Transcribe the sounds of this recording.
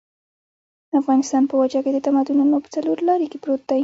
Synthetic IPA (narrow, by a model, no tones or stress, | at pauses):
d̪afɣɑnɪst̪ɑnpəwad͡ʒaked̪ət̪amad̪ununopə̥t͡saloɾlɑɾekepɾot̪̚d̪aj